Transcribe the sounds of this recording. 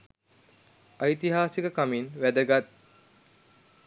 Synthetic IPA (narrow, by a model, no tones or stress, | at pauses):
ajt̪iɦaːsikəkaminʋæd̪əɡat̪̚